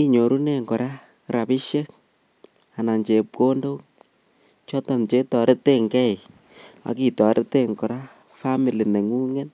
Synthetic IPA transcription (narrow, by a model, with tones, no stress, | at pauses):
i˦ɲo˨ɾu˦ne˦ŋkɔ˨ɾa˦ | ɾa˨pɪ˦ʃe˦k̚ | a˨na˨nt͡ʃe˨p̚ko˦ndo˦ | t͡ʃɔ˦tɔ˨nt͡ʃe˦tɔ˨ɾɪ˦te˦ŋkɛ˦j | a̰˨ki˨tɔ˨ɾʔɪ˦te˦ŋkɔ˨ɾa˦ | fa˦mi˨li˨ne˨ŋu˦ŋe˦n